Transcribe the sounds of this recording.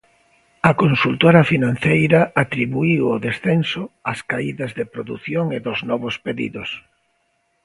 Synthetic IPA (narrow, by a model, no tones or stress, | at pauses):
ɐkonsult̪oɾɐfinãn̟θejɾɐat̪ɾiβuiwoðesθensʊaskaiðɐzðɪpɾoðuθjoŋeðoznɔβospeðḭðʊs